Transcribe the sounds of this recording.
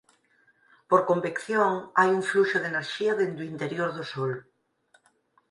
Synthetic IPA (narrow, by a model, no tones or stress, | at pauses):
poɾkombikθjoŋajuɱfluʃoðeneɾʃiaðend̪uint̪eɾjoɾðosol